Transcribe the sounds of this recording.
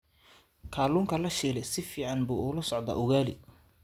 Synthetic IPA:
kʰaːluːŋkʰɐlɐʃiːlɛsɪfiːʕɑnbṵːʔʊlɐsɔʕd̪a̰ːʔʊɣaːlɪ̰

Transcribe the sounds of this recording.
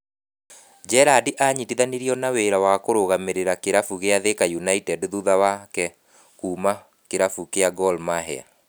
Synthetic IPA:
d͡ʒɛɾadiʔaɲidiðaniɾiɔnaweɾawakoɾoɣameɾeɾakeɾafuɣeaðekajunaitɛdðuðawakɛ | kuːma | keɾafukeaɡɔlmaɦɛ̰a̰

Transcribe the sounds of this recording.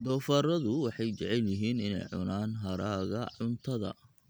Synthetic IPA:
d̪ɔːfaːɾɐðʊwɑħɑjt͡ʃɛʕɛljɪɦiːnɪnɛ̰jʕʊ̰naːnɦɐɾaːɣɐʕʊnt̪ʰɐðɐ̰

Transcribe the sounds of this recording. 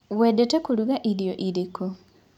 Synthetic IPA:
wɛːdetɛkoɾuɣaʔiɾjoʔiɾeko

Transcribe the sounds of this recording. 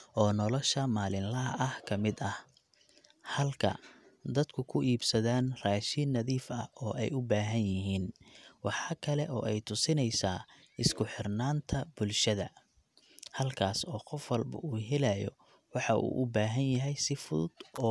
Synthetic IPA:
ʔɔːnɔlɔʃɐmaːlɪnlɐʔɐhkʰɐmɪd̪ɐh | hɐlkʰɐ̰d̪ɐd̪kʰʊkʰʊʔiːbsɐðaːnraːʃɪnːɐðiːfɐɔːʔɛjʊbaːɦɐnjɪɦiːnwɑħɑːkʰɐlɛʔɔ̰ːʔɛjt̪ʰʊsɪnɛjsaː | ɪskʰʊħɪrnaːnt̪ʰɐbʊlʃɐðɐ | hɐlkʰaːsɔːqɔfwɑlbɐ̰ʔuːɦɛlajɔ̰ | wɑħɑʔṵːʔʊbaːɦɐnjɐɦɛjsɪfʊðʊ̰d̪̥ɔː

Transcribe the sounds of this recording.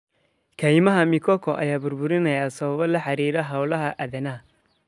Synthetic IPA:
kʰɐjmɐɦɐmɪkʰɔkʰɔʔɐ̰jaːbʊɾbʊɾɪnɐjaːsɐβɐβɐlɐħaɾiːɾɐɦawlɐɦɐʔɐdɐnɐ

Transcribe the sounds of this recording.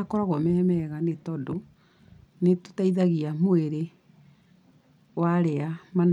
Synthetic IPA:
akɔɾaɣɔmɛɛmɛɣanetɔdo | neto̥taiðaɣiamoeɾe | waɾeaman

